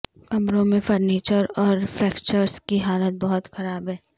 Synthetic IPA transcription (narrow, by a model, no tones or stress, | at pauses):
kɐmɾõmẽfəɾniːt͡ʃəɾɔːɾfɾɛːkt͡ʃəɾskiɦaːlət̪̚bɐɦʊt̪xɐɾaːbɦɛː